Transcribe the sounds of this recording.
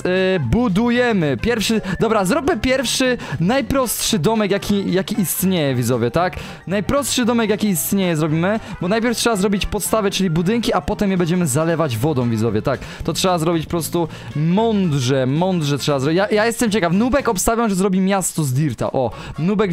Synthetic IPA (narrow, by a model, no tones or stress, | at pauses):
bud̪ujɛmɘpʲjɛɾfʂɘd̪ɔbɾazɾɔpɘpʲjɛɾfʂɘnajpɾɔst̪ʂɘd̪ɔmɛkjakʲijakʲiist̪ɲejɛvʲizɔvʲjɛt̪ak | najpɾɔstʂɘd̪ɔmɛkjakʲiːst̪ɲejɛzɾɔbʲimɘbɔnajpʲjɛɾftʂɛbazɾɔbʲit͡ɕpɔt̪st̪avɛt͡ʂɘlʲibud̪ɘŋkʲiapɔt̪ɛmjɛbɛɲd͡ʑɛmɘzalɛvad͡ʑvɔd̪ɔ̃w̃vʲizɔvʲjɛt̪ak | t̪ɔtʂɛbazɾɔbʲit͡ɕpɔpɾɔst̪u | mɔnd̪ʐɛmɔnd̪ʐɛtʂɛbazɾɔjajajɛst̪ɛmt͡ɕɛkafnubɛkɔpst̪avʲjamʐɛzɾɔbʲimʲjast̪ɔzd̪ʲiɾt̪a̰ʔɔ | nubɛk